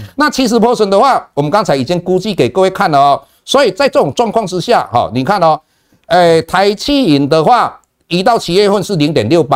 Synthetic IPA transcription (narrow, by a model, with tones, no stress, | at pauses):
na˥˨t͡ɕʰi˧˥ʂɻ̩˧˥pʰɔ˥swə˧˥nd̪ə˧xwa˥˩wɔ˨˩mə˦nkɑ˦˥ŋt͡sʰa˧˦ɪi˨˩t͡ɕi˦˥ŋku˥t͡ɕi˥˨˩ke˨˩kɤə˥˧we˥˧ɪkʰa˥˩nlə˩ɔ˨˦ | swɔ˧˥i˨˩t͡sa˥˧ɪʈ͡ʂɤ˥˧˩ʈ͡ʂʊ˨˩ŋʈ͡ʂwɑ˥˧ŋkʰwɑ˥˩ŋʈ͡ʂɻ̩˥˦ɕja̰˥˨hɔ̰˨˩ni˨˩kʰa˥˨nɔ˨˩ | e˥˩t̪ʰa˧˦ɪt͡ɕʰi˥˩i˨˩nd̪ə˧xwa˥˩ | i˧˥t̪ɑ˥˩ʊt͡ɕʰi˧˥jɛ˥˧xwə˥˧nʂɻ̩˥˩li˧˥ŋt̪̬jɛ˨˩nljo˥˩ʊpa˧˩